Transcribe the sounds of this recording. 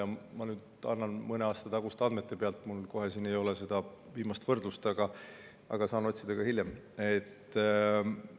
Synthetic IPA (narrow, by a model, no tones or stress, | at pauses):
ɑmɑnyːd̪ɑ̰nːɑnmɤneɑːst̪ɑt̪ɑɡ̥ust̪ɑnd̪me̞t̪ːˑe̞pe̞ɑlt̪mulko̞ɦe̞sine̞jo̞lese̞d̪̥ɑ | viːmɑst̪vɤrd̪lust̪ɑɡ̥ɑ | ɑ̰ɡ̥ɑsɑːno̞t̪ʲsid̪̥ɑɡ̥ɑhilʲjem | et̪ː